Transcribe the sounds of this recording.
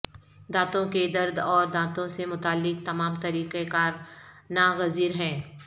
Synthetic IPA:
d̪aːt̪õked̪ɐɾd̪ɔːɾd̪ãːt̪õsemʊt̪aːlːɪk̚t̪ɐmaːmt̪ɐɾiːqekaːɾnaɣɐziːɾɦɛ̃ː

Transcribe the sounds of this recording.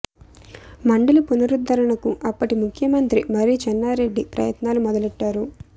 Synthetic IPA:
mɐɳɖɐlupunɐɾud̪ʱːɐɾɐɳɐkuʔɐpːɐʈimukʰjɐmɐnt̪ɾimɐɾiːt͡ʃɛnːaːɾe̞ɖːipɾɐ̰jɐt̪naːlumɔd̪ɐleʈːaːɾu

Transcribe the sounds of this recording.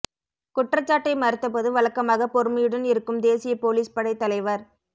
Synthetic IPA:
kʊʈrɐt͡ʃːaːʈːɐɪmɐɾɪt̪ːɐpɔðɯʋɐɭɐkːɐmaːɣɐpɔɾɯmɐjɯɽɐnɪɾɯkːɯmd̪eːsɪjɐpoːliːspɐɽɐɪt̪ːɐlɐɪʋɐɾ

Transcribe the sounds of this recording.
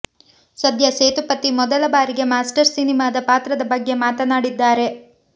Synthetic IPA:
sɐd̪ʱjɐseːt̪upɐt̪imɔd̪ɐlɐbaːɾiɡe̞maːsʈɐɾsinimaːd̪ɐpaːt̪ɾɐd̪ɐbɐɡːe̞maːt̪ɐnaːɽid̪ːaːɾe̞

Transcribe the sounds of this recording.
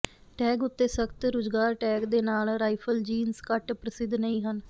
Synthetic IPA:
ʈɛːɡʊt̪ːeːsəkt̪ɾʊːd͡ʒɡaːɾʈɛːkd̪eːnaːlɾaːipʰəld͡ʒiːnskəʈpɾəsɪd̪nəĩːɦən

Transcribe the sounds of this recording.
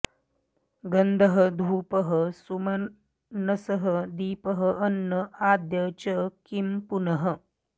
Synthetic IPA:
ɡənd̪ʱəɦəd̪ʱuːpəɦəsumɐ | nɐsəɦəd̪iːpəɦəʔːnːəʔaːd̪jɐt͡ʃəkimpunɐɦə

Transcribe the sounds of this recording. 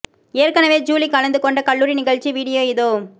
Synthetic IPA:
eːrkɐnɐʋeːd͡ʒuːlikɐlɐnd̪ɯkɔɳɖɐkɐɭːuːɾinɪɣɐɭt͡ʃiʋiːɽɪjoːɪðoː

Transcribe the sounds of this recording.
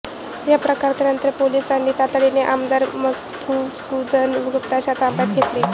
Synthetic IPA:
japɾəkaɾt̪əɾənt̪əɾpolisanːiːt̪at̪ɭineʔamd̪aɾməst̪ʰusud̪ʱənʋuɡəkt̪aɕat̪ambat̪̚ɡʱet̪le

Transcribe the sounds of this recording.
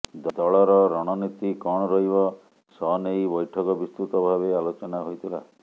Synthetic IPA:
d̪d̪ɔɭɔɾɔɾɔɽ̃ɔnit̪ikɔɽ̃ɔɾɔɦibɔ | sɔnejbɔjʈʰɔkɔbist̪ut̪ɔbʱaβealot͡ʃɔnaɦojt̪ʰila̰

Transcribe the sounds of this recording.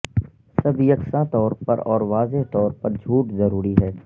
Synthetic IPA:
sɐbʱjɐksãt̪ɔːɾpɐɾɔːɾʋaːzeɦt̪ɔːɾpɐɾd͡ʒʱuːʈzɐɾuːɾiɦɛː

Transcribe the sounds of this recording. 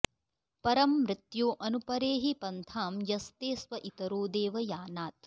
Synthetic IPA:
pɐɾɐmːɾɪt̪joːʔɐnupɐɾeːɦipɐnt̪ʰaːmjɐst̪eːsʋɐʔit̪ɐɾoːd̪eːʋɐjaːnaːt̪̚

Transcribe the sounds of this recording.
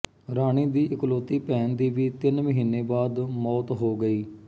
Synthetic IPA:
ɾaːɽ̃iːd̪iːʔɪkloːt̪iːpɛːnd̪iːʋiːt̪ɪnməɦiːneːbaːd̪mɔːt̪ɦoːɡəiː

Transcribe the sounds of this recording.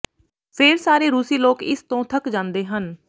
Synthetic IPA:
fʰeːɾsaːɾeːɾuːsiːloːkɪ̰st̪õːt̪ʰəkd͡ʒãːnd̪eːɦən

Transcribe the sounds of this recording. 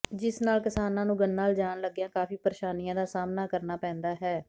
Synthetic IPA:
d͡ʒɪsnaːlkɪsaːnãːnũːɡənːaːld͡ʒaːnləɡjãːkaːfiːpəɾeːʃaːnijãːd̪aːsaːmnaːkəɾnaːpɛ̃ːnd̪aːɦɛː

